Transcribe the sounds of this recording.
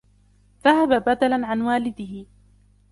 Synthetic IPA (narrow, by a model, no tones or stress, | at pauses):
ðahababad̪alaʕanwaːlɪd̪ɪhɪ